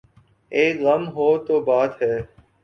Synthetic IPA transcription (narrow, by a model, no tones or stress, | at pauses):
eːkɣəmɦoːt̪oːbaːt̪ɦɛː